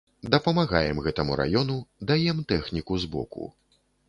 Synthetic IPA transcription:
d̪ɐpɐmaɣajɛmɣɛt̪ɐmṵɾa̰jɔnud̪ajɛmt̪ɛxnʲikuzbɔ̰kṵ

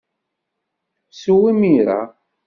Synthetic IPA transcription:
suwimiɾa̰

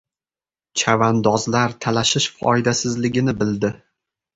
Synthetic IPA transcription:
t͡ʃʰavand̪ɒzlaɾt̪ʰalaʃɪʃfɒ̰jd̪asɪzlɪɡʲɪnɪbɪld̪ɪ

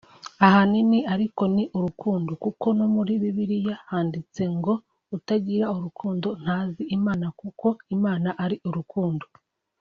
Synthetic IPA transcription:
aɦaniniaɾiko̞niʔuɾukuːndokuko̞nomuɾiβiβiɾijahaːndit͡se̞ŋɡo̞ | utaɟiɾauɾukʰuːndo̞n̥haːziimaːnakuko̞imaːnaʔaɾiʔuɾukuːndo

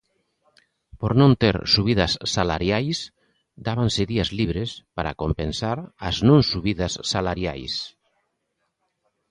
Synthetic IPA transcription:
poɾnõnt̪eɾsuβiðasːalaɾjajs | d̪aβanseðiazliβɾespaɾa̰kompensaɾaznõnsuβiðasːalaɾja̰js

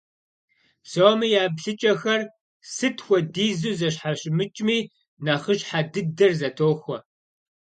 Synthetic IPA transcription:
somijaːbɬɨt͡ʃʼɐxɐr | sɨtʰxʷɔdiːzuːzɐɕ̬ħaɕmɨt͡ʃʼmiː | nɐχəɕħadɨdɐrzɐtʰoːxʷɔ

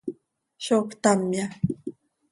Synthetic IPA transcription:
ʃokt̪amja

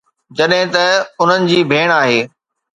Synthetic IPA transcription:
d͡ʑɐɗɦɪ̃t̪ɐʊn̤ənɪ̆d͡ʑiːbʱeːɽ̃aːɦeː

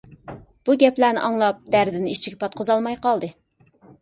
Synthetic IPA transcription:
b̥uɡʲɛplænɪ̰ʔɑŋlˠɑp̚d̪æɾd̪ɪnɪit͡ʃʰiɡʲɛpʰɑt̪̚qʰʊzɑlˠmɑjqɑlˠd̪ɨ

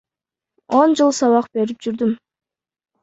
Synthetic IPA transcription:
o̞nd͡ʒɯlˠsɑβɑq̚be̞ɾip̚d͡ʒyɾd̪ym

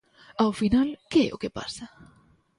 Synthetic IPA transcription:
awfinalkeɛ̰ʔo̰kepa̰sa

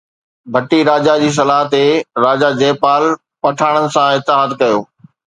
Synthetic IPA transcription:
bʱɐʈiɾaːd͡ʑad͡ʑiːs̬ɐlaːɦt̪eɾaːd͡ʑad͡ʑeːpaːl | pɐʈʰaːɽ̃ənɪ̆sãɪt̪ɪɦad̪kɐjo̰ː

